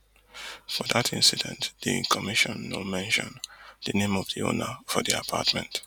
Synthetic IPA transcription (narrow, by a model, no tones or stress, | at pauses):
fɔðatʰɪ̃nsidɛ̃ntð̥ikʰɔmiʃɔ̃nwɪlmɛ̃nʃɔ̰̃nðənẽmɔvð̥io̰nəfɔðia̰pʰa̰tmɛ̃nt